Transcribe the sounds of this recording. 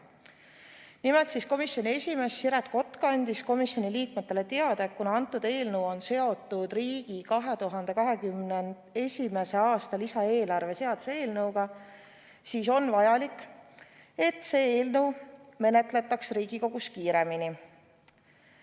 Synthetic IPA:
nimelt̪sisko̞misjo̞nie̞sʲime̞sːiɾɑt̪ko̞t̪ːˑkɑnʲd̪̥isko̞misjo̞niliːkme̞t̪ːˑele̞t̪e̞ɑd̪̥ekkunɑɑnt̪ːˑud̪e̞ːlnɤwo̞nse̞o̞t̪ːˑud̪̥riːɡ̥ikɑɦe̞t̪uɦɑnd̪̥e̞kɑɦe̞kymnen | e̞sʲime̞se̞ɑːst̪ɑlisɑe̞ːlɑrve̞se̞ɑd̪̥useːlnɤwɡ̥ɑ | siːso̞nvɑjɑlikːˑ | e̞t̪ːse̞ːeːlnəwme̞ne̞t̪le̞t̪ːˑɑksriːɡ̥iko̞ɡ̥uskiːɾe̞mini

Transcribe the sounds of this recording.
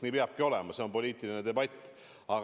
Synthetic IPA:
niːpeɑb̥̚kio̞le̞mɑse̞o̞npo̞lʲiːt̪ˑiline̞d̪e̞bɑt̪ʲːˑ | ɑ

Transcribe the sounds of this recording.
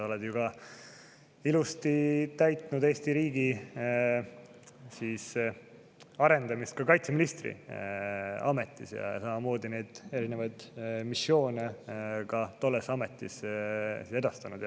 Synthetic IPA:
oled̪̥juɡɑ | ilust̪it̪æjt̪ˑnud̪̥e̞ːst̪iɾiːɡ̥i | siːs | ɑɾe̞nd̪ɑmist̪̚kɑkɑjt̪se̞minist̪rḭ | ɑme̞t̪ːˑisjɑ̰ɑ̰sɑmɑmo̞ːd̪ine̞jd̪̥e̞ɾinevɑjd̪̥misːjo̞ːnekɑt̪o̞lːesɑme̞t̪ˑːissise̞d̪̥ɑst̪ɑnud̪̥j

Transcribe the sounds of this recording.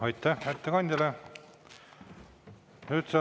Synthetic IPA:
ɑjt̪ːˑæhæt̪ːekɑnʲd̪ʲɑle | nyːt̪sɑ

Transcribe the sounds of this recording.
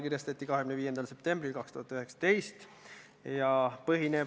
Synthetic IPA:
kirjɑst̪et̪ʲːikɑɦeɡymneviːjend̪ɑlse̞p̚t̪e̞mbrilkɑkst̪uhɑt̪ːˑyɦe̞ksɑ̥t̪e̞jst̪ | jɑpɤɦine

